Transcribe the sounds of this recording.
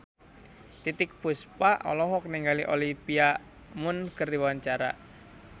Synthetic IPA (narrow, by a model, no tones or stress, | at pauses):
t̪it̪ɪk̚puspaʔɔ̰lɔɦɔkəniŋɡaliʔolipia | mʊnkərdiwaɲt͡ʃaɾa̰